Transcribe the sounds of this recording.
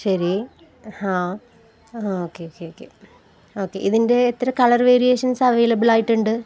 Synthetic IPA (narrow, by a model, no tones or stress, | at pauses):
ɕɐɾi | hãː | oːkːeoːkːeoːkːḛ | o̞ːkːe̞̰ʔiðinde̞ːt̪ːɐɾɐmkɐɭɐrʋeːɾijeːʂɐnsɐʋe̞ːlɐbiɭaːjiʈːuɳɖɨ